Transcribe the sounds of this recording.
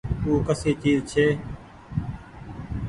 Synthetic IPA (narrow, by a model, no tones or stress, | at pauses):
uːkəsiːt͡ʃiːzt͡ʃʰeː